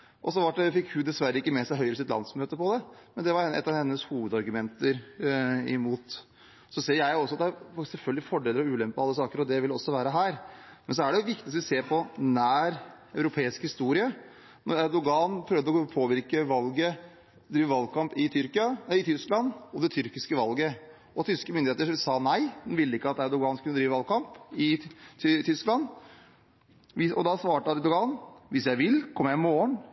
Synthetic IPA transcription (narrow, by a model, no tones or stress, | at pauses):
ʔɔsɔʋɑʈɖɛfɪkːhʉd̪ɛsʋæɾːəɪkːəmɛsæɪɦœʏɾəs̬ɪt̪lɑ̰nsmøːt̪əpɔd̪ɛmɛnd̪ɛʋɑɾɛɛ̰t̪ːɑʋhɛnːəshuːʋəd̪ɑɾɡʉmɛnt̪əɾ | ɪmuːt̪ | sɔseːjæɪɔsːɔɑt̪̚d̪æsɛlfœlɡ̪əlɪfɔɖeːləɾɔʉːlɛmpəɑlːəsɑːkəɾɔd̪ɛʋɪlːɔsːɔʋæːɾəɦæːɾmɛnsɔæɖɛjʊʋɪkt̪ɪt̪sʋɪseːɾpʰɔnæːɾ | œʉɾʊpʰeːɪskhɪst̪uːɾɪə | nɔɾæɾd̪ʊɡɑːnpʰɾœːʋd̪əɔpʰoːʋɪɾkəʋɑlɡə | d̪ɾiːʋəʋɑlkʰɑmpɪt̪ʰʏɾkɪɑɪt̪ʰʏsklɑnɔd̪ɛt̪ʰʏɾkɪskəʋɑlɡə | ɔt̪ʰʏskəmʏnd̪ɪeːt̪əʂɪsɑːnæɪd̪ɛnʋɪlːəɪkːəɑt̪æɾd̪ʊɡɑːnskʰʉnəd̪ɾiːʋəʋɑlkɑmpɪ | t̪ʰʏsklɑn | ʋɪɔ̰d̪ɑsʋɑːʈəɑɾd̪ʊɡɑːnʋɪsjæɪʋɪlkʰɔmjæɪmoːəɳ